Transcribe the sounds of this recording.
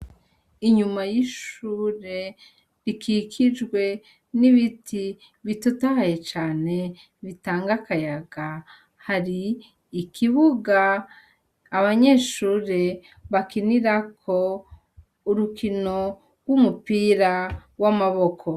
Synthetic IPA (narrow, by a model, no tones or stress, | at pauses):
iɲumajiʃuːɾe̞ | ɾikʰikʰid͡ʒɡwe̞ | niβitʰi | βitutahaje̞t͡ʃaːne̞ | βitaːŋɡakajaɡ̥a | haɾiː | kʰiβuɡaː | βaɲe̞ʃuːɾe̞ | βakiniɾakʰo̞ | uɾukʰino̞ | ɡwumupiːɾawamaβo̞kʰo̞